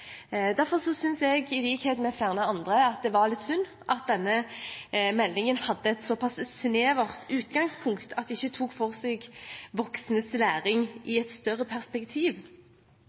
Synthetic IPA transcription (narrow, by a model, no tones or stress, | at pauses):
d̪æɾfɔʁsɔsʏnsɛɡɪliːkheːd̪mɛfjæʁnəɑnd̪ʁəɑt̪̚d̪ɛʋɑʁlɪt̪sʉnː | ʔɑt̪̚d̪ɛnːə | mɛlːɪŋənhɑd̪ːəɛt̪sɔpʰɑssneːʋɑʁt̪ʰʉːt̪ɡɑŋspʰʊŋkt̪ʰɑt̪̚d̪ɛɪçːət̪ʰuːkfɔʁseːɡʋɔksnəslæːɾɪŋʔɪɛt̪st̪œʁːəpʰæʁspɛkt̪ʰiːʋ